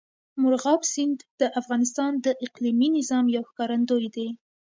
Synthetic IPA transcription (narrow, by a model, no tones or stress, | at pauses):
mʊɾɣɑbsɪnd̪d̪̥əʔafɣɑnɪs̬t̪ɑnd̪əʔɪqliminɪzɑmjawxkɑɾand̪ojd̪e